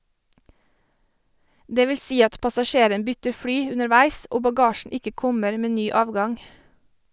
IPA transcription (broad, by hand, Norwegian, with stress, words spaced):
ˈdeː ˈʋɪl ˈsiː ˈɑt pɑsɑˈʃeːɾən ˈbʏtəɾ ˈfɽyː ʉnəɾˈʋæɪs ˈoː bɑˈɡɑːʃn̩ ˈɪkə ˈkɔməɾ ˈmeː ˈnyː ˈɑːʋɡɑŋ